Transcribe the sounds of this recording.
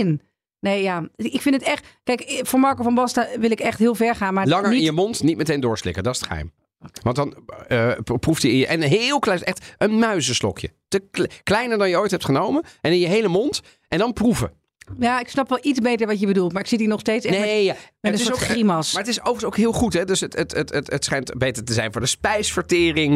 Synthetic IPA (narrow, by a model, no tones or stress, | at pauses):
n | neːjaɪkfɪndətɛχtkɛjkfoːɹmɑɹkofɔnbɔstaʋɪlˠɪkɛχthɪːlˠfɛɹχaːnmaɹlɑŋəɹɪnjəmɔntnit̚mətejndʊːɹslɪ̰kədɑtɪsətχəɦɛ̰jm | ʋɑntdɑn | pruftəʔɛnɦɪlˠklɛɛχtʔənmœɥzəstɔ̰kʰjə̰təklɛjnəɹdɑnjəojtɦɛp̚tχənowmənɛnɪ̃njəɦejləmɔnt | ʔɛndɑnpruvə̰ | jaɪksnɑpʋɛlˠit͡sbejtəɹʋɑtjəbədulˠtmaːɹɪksidinɔχstejtsɛneadɪɪsimɑsmaːɹətɪsowvənsowkɦɪːlˠχutɦɛdøsətətətətətsχɛjntbejtəɹtəzɛjnvʊːɹdəspɛjsfəɹtɪːrɪŋ